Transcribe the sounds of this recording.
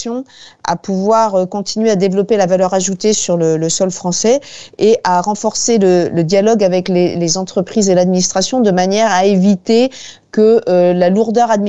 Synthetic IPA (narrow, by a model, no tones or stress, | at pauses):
sjɔ̃a̰puvwaʁøkɔ̃t̪ʰinɥead̪evlɔpelavalœʁaʒut̪esyʁlələsɔlfχɑ̃sɛeʔaʁɑ̃fɔʁselələd̪jalɔɡavɛklelezɑ̃t̪χəpχizelad̪minist̪χasjɔ̃d̪əmanjɛʁaevit̪e | kəølaluʁd̪œʁad̪mi